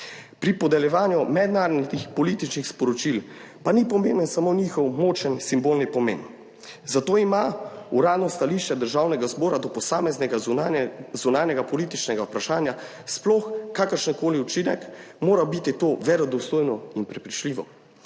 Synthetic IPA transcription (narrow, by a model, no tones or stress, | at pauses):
pɾipɔd̪ɛljɛʋaːnjumɛd̪naːɾɔd̪nixpɔlit̪it͡ʃnixspɔɾɔt͡ʃil | panipɔmeːnənsamonixɔwmoːt͡ʃənsimbolnipɔmḛːn | zat̪oːimauɾaːd̪nɔst̪aliʃt͡ʃɛd̪əɾʒaːwnɛɡazbɔːɾad̪ɔpɔsaːmɛznɛɡa | zunaːnjɛɡapɔliːt̪it͡ʃnɛɡaupɾaʃaːnja | splɔxkakəɾʃənkoːliut͡ʃinɛkmoːɾabit̪it̪oʋɛɾɔd̪ɔst̪oːjnɔinpɾɛpɾit͡ʃliːʋɔ